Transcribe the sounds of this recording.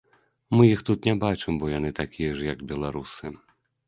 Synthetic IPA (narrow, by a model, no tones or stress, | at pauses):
mɨjixt̪ut̪nʲɛbat͡ʂɨmbɔjan̪ɨt̪akʲijɐʐjɐɡbʲɛlˠaɾusɨ